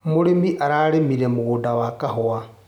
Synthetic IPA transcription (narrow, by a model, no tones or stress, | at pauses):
muɾemiʔaɾaɾemiɾemuɣudawakahoa